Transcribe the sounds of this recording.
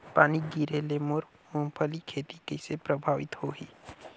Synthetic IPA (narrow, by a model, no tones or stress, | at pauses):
paːniɡiːɾelemoɾ | mʊ̃mpʰəlikʰeːt̪ikəsepɾəbʱaːʋɪt̪hoɦi